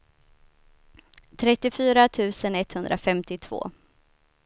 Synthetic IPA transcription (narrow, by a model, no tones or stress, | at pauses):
t̪ʰɾɛt̪ːɪfyːɾat̪ʰʉ̟ːsənɛt̪hɵnd̪ɾafɛmt̪ɪt̪ʰv̥o̰ː